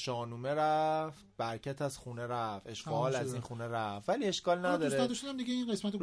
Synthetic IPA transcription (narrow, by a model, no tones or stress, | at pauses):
ʃɒːnuːmeɾæft̪̚bæɾcʰæt̪ʰæzxuːneɾæfe̞ʃɡɒːlæzinxuːneɾæfːæliːe̞ʃkɒːlnæd̪ɒːɾsɾeæd̪oʃud̪æmd̪iɟeinɢe̞smæt̪o